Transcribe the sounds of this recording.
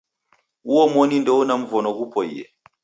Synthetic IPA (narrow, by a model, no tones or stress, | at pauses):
uwɔmɔnindɔunam̩vɔnɔɡupʰɔḭjɛ̰